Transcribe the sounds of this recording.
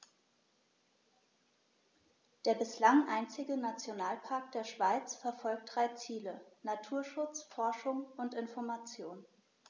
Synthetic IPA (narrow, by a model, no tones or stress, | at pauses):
d̥eːɐbɪslaŋʔa̰ɪnt͡sɪɡənat͡sjonaːlpʰaɐk̚d̥eːɐʃv̥aɪt͡sfɛɐfɔlk̚t̚d̥ʁaɪt͡siːlənatʰuːɐʃʊt͡sfɔɐʃʊŋʊntɪnfɔɐmat͡sjoːn